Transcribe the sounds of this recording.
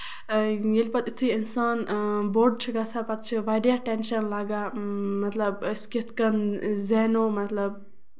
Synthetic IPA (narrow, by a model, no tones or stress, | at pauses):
jelʲpɐt̪it̪ʰuiinsaːnboːɾɖ̚t͡ʃʰiɡɐsʰapɐt̪̚t͡ʃʰiʋaːɖjaʈenʃɐnlaːɡaːmɐt̪lɐbskit̪ʰkɐnzenoːmɐt̪lɐb̚